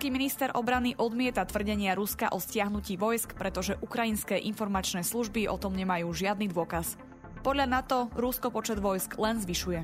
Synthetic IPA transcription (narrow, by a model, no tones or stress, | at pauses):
kiːminist̪ɛɾʔɔ̰bɾaniʔɔd̪mɪɛt̪at̪ʋr̩ɟɛɲɪaɾuskaʔɔscɪaɦnuciːʋɔjskpɾɛt̪ɔʒɛʔukɾajinskɛːʔinfɔɾmat͡ʃnɛːsluʒbiʔɔ̰t̪ɔmɲɛmajuːʒɪad̪nid̪ʊɔkas | pɔd̪ʎanat̪ɔɾuskɔpɔt͡ʃɛd̪ʋɔjsklɛnzʋiʃujɛ